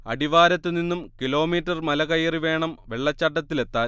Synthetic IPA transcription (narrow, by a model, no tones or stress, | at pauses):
ɐ̰ɽiʋaːɾɐt̪ːɨninːumkilo̞ːmiːtːɐrmɐlɐɣɐjɐriʋe̞ːɳɐmʋe̞ɭːɐt͡ɕːɐʈːɐt̪ːile̞t̪ːaːl